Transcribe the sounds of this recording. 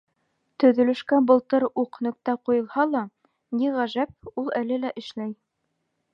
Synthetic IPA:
t̪ɵ̆ðɵ̆lɵ̆ʃkæbɤ̆lˠt̪ɤɾuqnɵ̆k̚t̪æqujɤ̆lˠhɑlˠɑ | niʁæʒæp̚ulˠælɘlæʔɘ̆ʃlæj

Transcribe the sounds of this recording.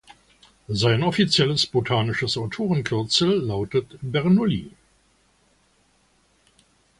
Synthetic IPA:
zaɪnɔfit͡sjɛləsb̥otʰaːnɪʃəsaʊtʰoːʁənkʰʏɐt͡sl̩ːaʊtətbɛʁnolḭː

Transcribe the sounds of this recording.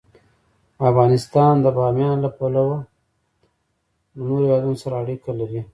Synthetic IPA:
afɣɑnɪst̪ɑnd̪əbɑmjɑnlapalawa | lənoɾewɑd̪unosaɾaːɽikalaɾi

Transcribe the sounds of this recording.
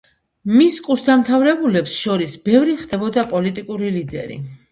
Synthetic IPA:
miskʼuɾsd̪amt̪ʰavɾɛbulɛpsʃɔɾisbɛvɾiχd̪ɛbɔd̪apʼɔlit̪ʼikʼuɾilid̪ɛ̰ɾḭ

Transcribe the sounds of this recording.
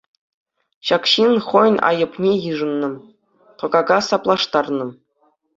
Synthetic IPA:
ɕɑkɕinχojnʲɑ̰jɤ̆pnʲejɯʐɤ̆nːɤ̆ | tɤ̆ɡɑɡɑsɑplˠɑʂt̪ɑrnɤ̆

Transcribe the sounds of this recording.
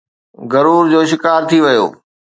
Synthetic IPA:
ɡɐɾuːɾd͡ʑoːʃɪkaːɾt̪ʰiʋɐjo̰ː

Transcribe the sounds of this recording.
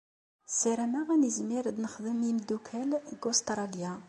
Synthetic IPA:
siɾæmæʁænizmiɾd̪nəχðəmjimd̪ukʰælɡost̪ɾˤɑlja

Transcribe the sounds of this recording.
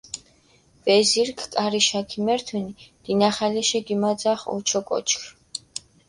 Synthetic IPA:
bɛziɾkʰkʼaɾiʃakʰimɛɾt̪ʰɛnid̪̥inaχalɛʃɛɡimad̪zaχɔ̰t͡ʃʰɔkʼɔ̰t͡ʃʰkʰ

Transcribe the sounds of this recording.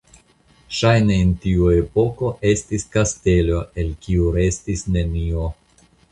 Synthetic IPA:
ʃajne̞ːntiue̞po̞ko̞ʔe̞stiskaste̞lo̞e̞lkiuɾe̞stisne̞nio̞

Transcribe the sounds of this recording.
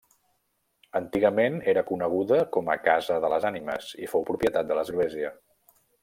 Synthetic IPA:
ənt̪iɣəmeneɾəkunəɣ̞uðəkɔmə̰kazəðələzanimə̰zḭfowpɾupjət̪at̪̚d̪ələzɣleziə

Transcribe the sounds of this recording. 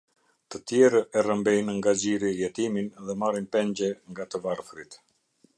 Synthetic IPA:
t̪ət̪jɛɾəɛrəmbɛjnŋɡad͡ʑiɾijɛt̪iminðɛmaɾinpɛɲɟɛŋɡat̪əvaɾfɾit̪

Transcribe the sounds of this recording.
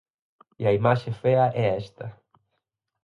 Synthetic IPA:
iɐimaʃefeɐʔɛest̪ɐ

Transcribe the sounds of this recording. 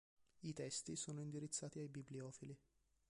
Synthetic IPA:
it̪ɛst̪isoːnoind̪iɾit̪sːaːt̪iajbibliɔːfili

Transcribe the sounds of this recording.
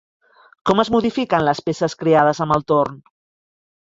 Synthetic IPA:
kɔməzmuð̞ifikənləspesəskɾeað̞əzəməlˠt̪oɾn

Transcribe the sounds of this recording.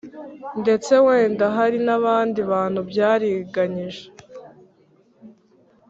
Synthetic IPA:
nde̞t͡se̞we̞ːndaɦaɾinaβaːndiβaːn̥hubjaːɾiɡaɲiʒe

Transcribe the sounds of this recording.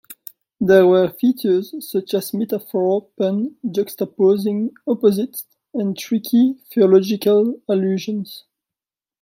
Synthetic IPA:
ðɛwəfit͡ʃə˞z̥sʌt͡ʃæzmɛtafɔɹɔpə̃ndɔkstapozɪ̃ŋɔpɔzɪt | ɛ̃ntʰɹikʰifiɔlɔd͡ʒɪkalaljuːʒə̃nz̥

